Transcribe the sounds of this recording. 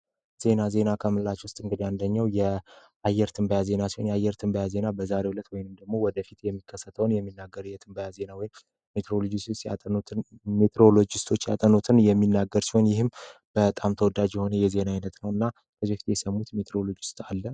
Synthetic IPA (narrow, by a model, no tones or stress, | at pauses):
z̥e̞naze̞nakʰəmɨllat͡ʃwʊst̪ʼɨŋɡɨd̪iand̪əɲːawjɛ | ajːɛɾt̪ʰɨmbəjaze̞nasi̥ho̞njɛajːɛɾt̪ʰɨmbəjaze̞nabəzaɾe̞hulət̪wɔjnɨmd̪əɡmo̞wɔd̪əfit̪jɛmːikʰːəsːət̪ʰəwnjɛmːinːaɡːəɾjɛt̪ʰɨmbəjaze̞nawɔjɪm | met̪eɾolod͡ʒist̪st̪ja̰ | met̪ʰɾo̞lo̞d͡ʒɪst̪ʰo̞t͡ʃːja̰t̪ʼənut̪ʰɨnjɛmːinːaɡːəɾsi̥ho̞njɪhɨmb̥ət̪ʼamt̪ʰəwɔd̪ad͡ʒjɛho̞nəjɛze̞nainət̪nəwɨnːa | kʰəzifi̥t̪jɛsəmːut̪met̪ʰɾo̞lo̞d͡ʒɪst̪ʼalːə